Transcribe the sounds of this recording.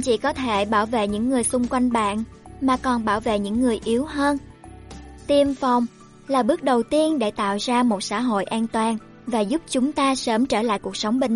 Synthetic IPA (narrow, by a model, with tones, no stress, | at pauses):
t͡ɕḭ˧˨kɔ˨˦t̪ʰe˧˩ɓaː˧˩wvḛ˧˨ɲɨ̰˧˥ŋːɨ˨˩əjsʊ˧ŋ͡mkwa˧jŋ̟ɓa̰ː˧˨nmaː˨˩kɔ˨˩nɓaː˧˩wvḛ˧˨ɲɨ̰˧˥ŋːɨ˨˩əjʔi˨˦əwɦəː˧n | t̪i˧əmfa˨˩wŋ͡m | laː˨˩ɓɨ˦˥ək̚ɗə˨˩wt̪i˧ənɗe˧˩t̪a̰ː˧˨wzaː˧mo˨˩t̚sa̰ː˧˥ɦo̰˧˨jʔaː˧nt̪waː˨˩n | vaː˨˩zʊ˦˥p̚t͡ɕʊ˨˦ŋ͡mt̪aː˧səː˨˦mt͡ɕəː˧˩la̰ː˧˨jku˨˩ək̚sə˨˦wŋ͡mɓï˨˩ŋ